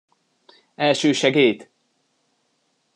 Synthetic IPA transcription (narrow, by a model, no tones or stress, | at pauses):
ɛlʃøːʃɛɡeːjt̪